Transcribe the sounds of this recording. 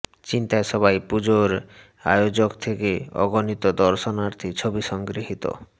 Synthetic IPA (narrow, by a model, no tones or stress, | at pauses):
t͡ʃint̪ajsɔβajpud͡ʒoɾ | a̰jod͡ʒokt̪ʰekeɔ̰ɡɔnit̪ɔd̪ɔɾʃɔnaɾt̪ʰit͡ʃʰobisɔŋɡɾiɦit̪ɔ̰